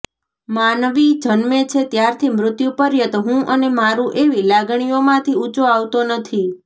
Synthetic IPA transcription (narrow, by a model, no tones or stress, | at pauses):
manʋid͡ʒənmet͡ʃʰet̪jaɾt̪ʰimɾʊt̪jupəɾjət̪ɦũʔənemaɾũʔeʋilaɡɳ̃ijomãt̪ʰiut͡ʃoaʋt̪onət̪ʰi